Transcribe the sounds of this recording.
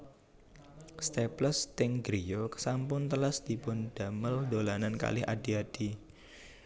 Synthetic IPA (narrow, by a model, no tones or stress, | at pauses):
st̪epləst̪ɪŋɡɾijoksampʊnt̪ələsd̪̥i̤pʊnd̥a̤məld̪olananka̰lɪha̰d̥iad̥i